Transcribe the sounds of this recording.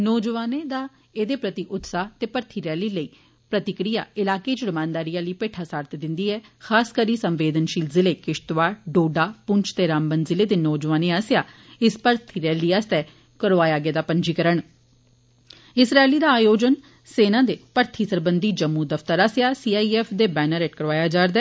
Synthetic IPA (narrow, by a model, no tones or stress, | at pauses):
nɔːd͡ʒəʋaːneːd̪aː | ed̪eːpɾət̪iʔʊt̪saːt̪eːpəɾt̪ʰiːɾɛːliːləiː | pɾət̪ɪkɾija̰ːɪlaːkeːt͡ʃəɽəmãːnd̪aːɾiːãːləiːpeːʈʰaːsaːɾt̪ʰd̪ɪnd̪iːɛːxʰaːskəɾiːsəmʋeːd̪ənʃiːlzɪleːkɪʃt̪ʋaːɾɖoːɖaːpʊɲt͡ʃʰt̪eːɾaːmbənzɪleːd̪eːnɔːd͡ʒʋaːneːaːsɪjaː | ɪspəɾt̪ʰiːɾɛːliːaːst̪ɛː | kəɾʋaːjaːɡeːd̪aːpəɲd͡ʒiːkəɾəɳ | ɪsɾaːeliːd̪aːaːjoːd͡ʒən | seːnãːd̪eːpəɾt̪ʰiːsəɾbənd̪iːd͡ʒəmːuːd̪əfʰt̪əɾaːsjaːsiːaːiːɛːpʰd̪eːbɛːnəɾeːʈkəɾʋaːjaːd͡ʒaːɾd̪ɛː